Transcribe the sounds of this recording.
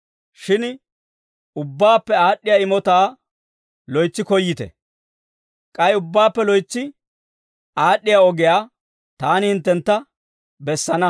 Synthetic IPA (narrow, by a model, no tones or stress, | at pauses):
ʃɪn | ʊbːaːpːɛaːɗːɪjaːɪmɔt̪aː | lɔjt͡sːɪkɔjːɪt̪ɛ̰ | kʼɐjʊbːaːpːɛlɔjt͡sːɪ | ʔaːɗːɪjaːɔɡɪjaː | t̪aːnɪhɪnt̪ːɛnt̪ːɐ | bɛsːɐnɐ